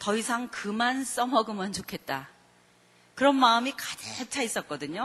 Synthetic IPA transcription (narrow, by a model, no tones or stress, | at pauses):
tʌisʰaŋkɯmans͈ʌmʌɡɯmʌnt͡ɕokʰe̞t̚t͈a | kɯɾʌnmaɯmikadet͡ɕʰais͈ʌt̚k͈ʌdɯɲo